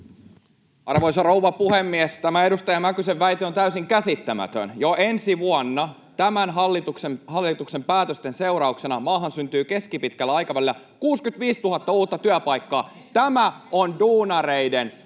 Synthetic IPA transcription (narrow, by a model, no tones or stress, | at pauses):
ɑrʋojsɑrouʋɑpuhemːiest̪æmæe̞ɾust̪ɑjɑnækyseʋːæjt̪eo̞nt̪æysiŋkæsit̪ːæmæ̰t̪ø̰njoʔe̞nsiʋuɑnːɑ | t̪æmænɦɑlːit̪uksemhɑlːit̪ukse̞mpæːt̪øst̪e̞nse̞uɾɑukse̞nɑmɑːɦɑnsynt̪yːke̞skipit̪kælːæɑjkɑʋælilːæ | kuːskyt̪ʋiːst̪uhɑt̪ːɑuːt̪ːɑt̪yæpɑjkːɑː | t̪æmæonduːnɑɾejden